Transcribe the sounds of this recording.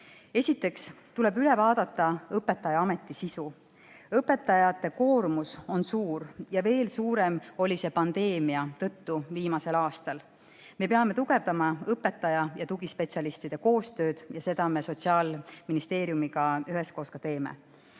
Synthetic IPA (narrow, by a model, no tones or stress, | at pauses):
e̞sʲit̪ːˑe̞kst̪ule̞byle̞vɑːd̪̥ɑt̪ːˑɑɤpːe̞t̪ːˑɑjɑɑme̞t̪ˑːisisu | ɤpːˑe̞t̪ːˑɑjɑt̪ːˑe̞ko̞ːɾmuso̞nsuːɾjɑve̞ːlsuːɾe̞mo̞lʲise̞pɑnd̪e̞ːmiɑt̪ɤ̞t̪ːuviːmɑse̞lɑːst̪ɑl | me̞pe̞ɑme̞t̪uɡ̥e̞vd̪ɑmɑɤpːe̞t̪ːˑɑjɑjɑt̪uɡ̥ispe̞tsiɑlist̪id̪̥e̞ko̞ːst̪ø̞ːd̪̥jɑse̞d̪̥ɑme̞so̞tsiɑːlminist̪e̞ːɾjumiɡɑyɦe̞sko̞ːskɑt̪e̞ːmḛ